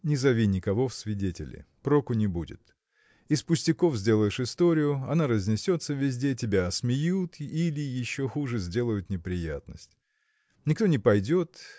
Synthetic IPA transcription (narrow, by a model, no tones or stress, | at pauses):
nʲɪzɐvʲinʲɪkɐvo̞fsvʲɪdʲetʲɪlʲɪ̰pɾokʊnʲɪbudʲɪ̰t̪ | ɪspʊsʲtʲɪko̞fzʲdʲe̞lˠəjɪʂɨst̪o̞ɾʲɪjʊɐnaɾəzʲnʲɪsʲo̞t̪səvʲɪzʲdʲetʲɪbʲaɐsmʲɪjut̪ilʲɪjɪɕːo̞xuʐɨzʲdʲe̞lˠəjʊt̪nʲɪpɾʲɪjat̪nəsʲtʲ | nʲɪkt̪o̞nʲɪpɐjdʲo̞t̪